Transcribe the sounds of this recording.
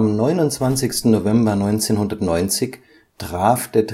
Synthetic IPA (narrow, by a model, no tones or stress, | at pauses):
amnɔʏnʊntt͡sv̥ant͡sɪçstn̩novɛmbɐnɔʏnt͡seːnhʊndɐtnɔʏnt͡sɪç | tʁ̥aːfd̥eːɐt